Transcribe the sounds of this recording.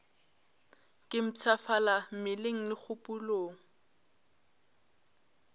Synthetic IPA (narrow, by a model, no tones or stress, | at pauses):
kʼɪm̩t͡sʰafalam̩mɪleŋ̩lɪk͡xʰʊpʼuloːŋ̩